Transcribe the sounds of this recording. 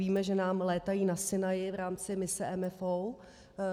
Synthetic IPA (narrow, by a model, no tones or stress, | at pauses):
iːmɛʒɛnaːmlɛːt̪ajiːnasɪnajɪvɾaːmt͡sɪmɪsɛʔɛmɛfow